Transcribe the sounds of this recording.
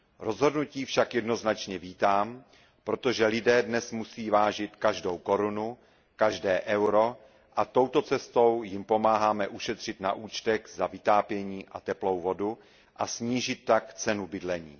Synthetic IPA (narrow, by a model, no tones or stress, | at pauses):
ɾo̞zɦo̞dnuciːfʃakjɛdno̞znat͡ʃɲɛviːt̪aːm | pɾo̞t̪o̞ʒɛlɪdɛːdnɛsmusiːvaːʒɪt̪kaʒdo̞wko̞ɾunu | kaʒdɛːʔɛwɾo̞ | ʔat̪o̞wt̪o̞t͡sɛst̪o̞wjɪmpo̞maːɦaːmɛʔuʃɛt̪r̝̥ɪt̪na̰ʔuːt͡ʃt̪ɛɣzavɪt̪aːpjɛɲiːʔat̪ɛplo̞wvo̞du | ʔasɲiːʒɪt̪ːakt͡sɛnubɪdlɛɲiː